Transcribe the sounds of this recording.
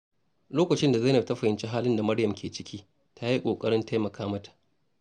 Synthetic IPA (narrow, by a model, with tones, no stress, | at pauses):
loː˦kɐ˨t͡ʃɪ˦nda˨za˦nɐ˨tɐ˦ɸɐ˨hɪ˨nt͡ʃi˦ɦaː˦lɪ˦nda˨mɐ˦ɽjɐ˨mkʲeː˨t͡ʃɪ˦kʲʰiː˦ | tʰa˦ji˦kʷʼoː˨kʼɐ˦ɽɪ˦nta˦jmɐ˨kʰaː˦mɐ˦tḁ˨ʔ